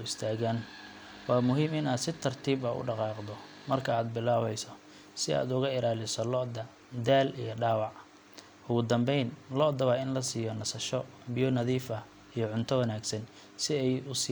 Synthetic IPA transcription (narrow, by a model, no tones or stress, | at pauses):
ɪst̪ʰaːɣaːn | wɑːmʊɦiːmɪnaːd̪sɪt̪ʰɐrt̪ʰiːbɐʊ̰ɖɑqɑːqd̪ɔ | mɐrkʰɐaːd̪bɪlaːβɛjsɔ | sɪa̰ːd̪ʊɣɐɪlaːlɪsɔlɔʔd̪ɐ | d̪aːlḭjɔɖaːwɑʕ | ʊɣʊd̪ɐmbɛjnlɔd̪ɐβɐɪnlɐsiːjɔnɐsɐʃɔbɪjɔnɐðiːfɐ | ijɔʕʊnt̪ʰɔwɐnaːɡsɐn | sɪɛjʊs